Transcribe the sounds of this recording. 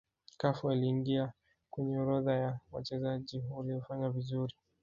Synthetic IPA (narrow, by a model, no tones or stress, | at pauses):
kafualiːŋɡia | kwɛɲɛuɾɔðajawa̰t͡ʃɛzaʄiuliɔfaɲavizuɾi